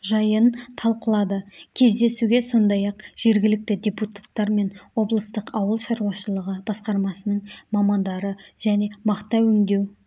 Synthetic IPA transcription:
ʒɑjənt̪ʰɑlˠqəlˠɑd̪əkʲʰe̞zd̪e̞suɡʲe̞so̞nd̪ɑjɑqʒ̥e̞ɾɡʲɪlɪk̚t̪ɪd̪ʲe̞put̪ḁt̪ːɑɾme̞nwo̞blˠəst̪əqɑwəlˠʃɑɾuɑʃəlˠəʁəb̥ɑsqɑɾmɑsənəɴmɑmɑnd̪ɑɾəʒ̥æne̞mɑqt̪ɑwʏŋd̪e̞w

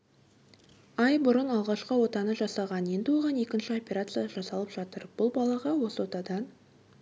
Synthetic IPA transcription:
ɑjbʊɾənɑlˠʁɑʃqəwo̞t̪ɑnəʒɑsɑʁɑnje̞nd̪ɪwo̞lʁɑne̞kʲɪnʃɪo̞pʲe̞ɾat̪sɨjaʒɑsɑlˠəpʒ̥ɑt̪əɾb̥ʊlˠbɑlˠɑʁɑwo̞səwo̞t̪ɑd̪ɑn

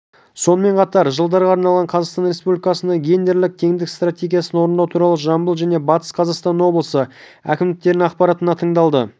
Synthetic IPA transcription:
so̞nəme̞ɴqʰɑt̪ɑɾʒəlˠd̪ɑɾʁɑɑɾnɑlˠʁɑɴqʰɑzɑqst̪ɑnɾe̞spublʲikɑsənɡʲe̞nd̪e̞ɾlɪk̚t̪ʰe̞ŋd̪ɪkst̪rat̪ʲe̞ɡʲijasənwo̞ɾənd̪ɑwt̪ʰuɾɑlˠəʒɑmbəlˠʒæne̞bɑt̪ə̥sqʰɑzɑqst̪ɑnwo̞blˠəsə | æ̰kʲɪmd̪ɪk̚t̪e̞ɾnɪŋɑqpɑɾɑt̪ənɑt̪ʰəɴd̪ɑlˠd̪ə

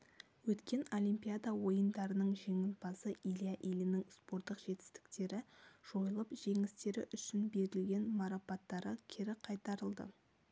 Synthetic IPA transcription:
wɵt̪kʲe̞no̞lʲijmpijad̪awo̞jənd̪ɑɾənəɴʒe̞ŋɪnbɑsəilijaʔelɪnɪŋspo̞ɾt̪ːəqʒe̞t̪ɪ̥st̪ɪ̥k̚t̪e̞ɾɪʒ̥o̞jəlˠəpʒ̥e̞ŋɪst̪e̞ɾɪ̰ʔʏʃɪnbe̞ɾɪlɡʲe̞nmɑɾapɑt̪ːɑɾəkʲʰɪɾɪqʰɑjt̪ɑɾəlˠd̪ə̰

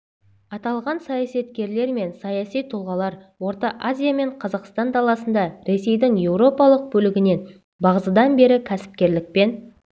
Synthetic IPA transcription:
ɑt̪ɑlˠʁɑnsɑjɑsɑt̪kʲe̞ɾle̞ɾme̞nsɑjɑsijt̪ʰʊlˠʁɑlˠɑɾ | wo̞ɾt̪ɑʔazʲijame̞ɴqʰɑzɑqst̪ɑnd̪ɑlˠɑsənd̪ɑɾe̞se̞jd̪ɪŋje̞wɾo̞pɑlˠəq̚bɵlɪɡʲɪne̞n | bɑʁəzəd̪ɑnbe̞ɾɪkʲʰæsɪ̥p̚kʲe̞ɾlɪk̚pe̞n

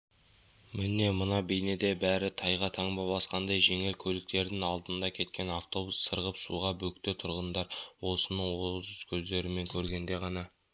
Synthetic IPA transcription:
mɪne̞mənɑbejne̞d̪e̞bæɾɪt̪ʰɑjʁɑt̪ʰɑɴbɑbˠɑsqɑnd̪ɑjʒe̞ŋe̞lkʲʰɵlɪk̚t̪e̞ɾd̪ɪŋɑlˠd̪ənd̪ɑkʲʰe̞t̪kʲe̞naft̪o̞busːəɾʁəpsṵʁɑbɵkt̪et̪ʰʊɾʁənd̪ɑɾwo̞sənəɴwozʊskʲʰɵzd̪e̞ɾɪme̞ŋkʲʰɵɾɡʲe̞nd̪e̞ʁɑnɑ

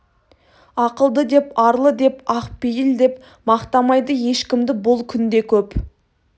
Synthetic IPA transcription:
ɑqəlˠd̪əd̪e̞pɑɾlˠəd̪e̞pɑqpejɪld̪e̞p | mɑqt̪ɑmɑjd̪əje̞ʃkʲɪmd̪ɪbʊlˠkʲʰʏnd̪e̞kʲʰɵp

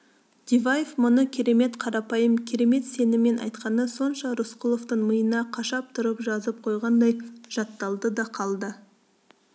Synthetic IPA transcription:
d̪̥ivajefmʊnəkʲʰe̞ɾe̞me̞t̪qʰɑɾɑpɑjəmkʲʰe̞ɾe̞me̞t̪se̞nɪme̞nʔɑ̰jt̪qɑnəso̞nʃɑɾʊsqulˠo̞ft̪əɴməjənɑqʰɑʃɑp̚t̪ʰʊɾəpʒɑzəp̚qʰo̞jʁɑnd̪ɑjʒ̥ɑt̪ːɑlˠd̪əd̪ɑqʰɑlˠd̪ə

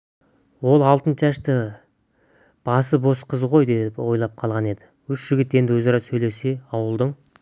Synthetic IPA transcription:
wo̞lˠɑlˠt̪ənt͡ʃæʃt̪ɪ | b̥ɑsəbo̞sqʰəzʁo̞jd̪epwo̞jlˠɑp̚qʰɑlˠʁɑne̞d̪ɪwʏʃʒ̥ɪɡʲɪt̪e̞nd̪ɪwɵzɑɾɑsɵjle̞se̞ɑwəlˠd̪əɴ

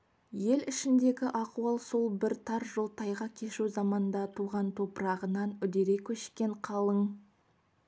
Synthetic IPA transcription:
je̞lɪʃɪnd̪e̞ɡʲɪʔɑquwɑlˠso̞lˠbɪɾt̪ʰɑɾʒolˠt̪ʰɑjʁɑkʲʰe̞ʃuzɑmɑnd̪ɑt̪ʰuʁɑnt̪ʰo̞pəɾɑʁənɑnʏd̪e̞ɾe̞kʲʰːɵʃkʲe̞ɴqʰɑlˠəɴ

